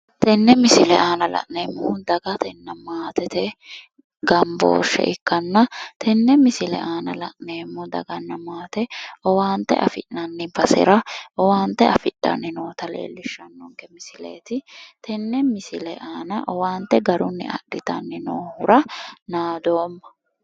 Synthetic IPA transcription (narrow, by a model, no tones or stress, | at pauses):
t̪ɛnːɛmɪsɪlɛʔaːnɐlɐ̰ʔneːmːɔhʊnd̪ɐɡɐt̪ɛnːɐmaːt̪ɛt̪ɛ | ɡɐmbo̰ːʃːɛ̰ʔɪkːɐnːɐt̪ʰɛnːɛmɪsɪlɛ̰ʔaːnɐlɐʔneːmːɔd̪ɐ̰ɡɐnːɐmaːt̪ɛɔwaːnt̪ɛ̰ʔɐfɪ̰ʔnɐnːɪfɐsɪ̰ɾɐʔɔwaːnt̪ɛɐfɪᶑːɐ̰nːɪnoːt̪ɐlḛːlːɪʃːɐnːɔŋkɛmɪsɪlḛːt̪ɪt̪ɛnːɛmɪsɪlɛʔaːnɐʔɔwaːnt̪ɛɡɐɾʊnːɪ̰ʔɐ̰ɗɪt̪ɐ̰nːɪnoːhʊɾɐnaːd̪o̞ːmːɐ̥